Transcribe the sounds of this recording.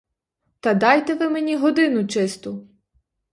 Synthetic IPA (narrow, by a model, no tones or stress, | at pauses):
t̪ɐd̪ɑjt̪eʋɪmenʲiɦɔd̪ɪnʊt͡ʃɪst̪ʊ